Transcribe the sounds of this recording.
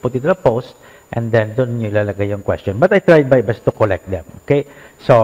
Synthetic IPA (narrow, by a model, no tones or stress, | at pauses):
pʊt̪ɪ̃nt̪ud̪ɐpost̪̚ | ʔɛ̃nd̪ɛ̃nd̪ʊnɲʊlɐlɐɡajʊŋkwɛ̰stɔnbɐt̪ajt̪ɹajd̪̚bajbɛst̪ːukolɛk̚t̪̚d̪ɛ̰̃mʔokejso